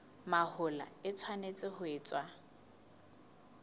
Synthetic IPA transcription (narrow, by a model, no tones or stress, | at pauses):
mahʊla̰ɪt͡sʰwanet͡sʼɪhʊeːt͡sʼwa